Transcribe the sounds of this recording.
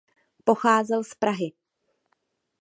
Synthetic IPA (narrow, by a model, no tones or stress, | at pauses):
po̞xaːzɛlspɾaɦɪ